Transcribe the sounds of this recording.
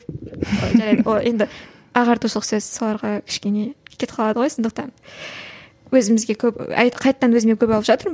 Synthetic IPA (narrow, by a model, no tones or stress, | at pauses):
o̰ʒɑɾɑjd̪əwojʔe̞nd̪ɪ | ɑʁɑɾt̪ʰusˠəqsɵzso̞lˠɑɾʁɑkʲʰɪ̥ʃkʲe̞ne̞kʲʰe̞t̪qʰɑlˠɑd̪əʁo̞jsond̪əq̚t̪ɑn | wɵzɪmɪzɡʲe̞kʲʰɵpɑ̰jqʰɑjt̪ːɑnwɵzɪmekʲʰɵpɑlˠəpʒɑt̪əɾ